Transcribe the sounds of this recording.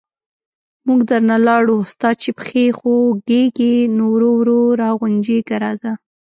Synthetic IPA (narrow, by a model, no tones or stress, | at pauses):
muɡd̪aɾnalɑɽost̪ɑd̪̚t͡ʃepə̥xexoɡeɡenowɾowɾoɾɑɣʊnd͡ʒeɡaɾɑza